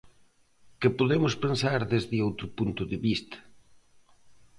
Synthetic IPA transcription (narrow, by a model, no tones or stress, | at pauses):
kɪpoðemʊspensaɾðezðɪowt̪ɾʊpunt̪ʊðɪβist̪ɐ̥